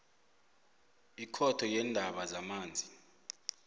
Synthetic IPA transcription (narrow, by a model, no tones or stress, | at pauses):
ikʰɔtʰɔjɛndʱaɓazamaːnd͡zʱi